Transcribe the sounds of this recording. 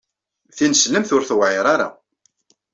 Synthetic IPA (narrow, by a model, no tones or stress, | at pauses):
θinəsləmθʊɾθəwʕɪɾˤaɾa̰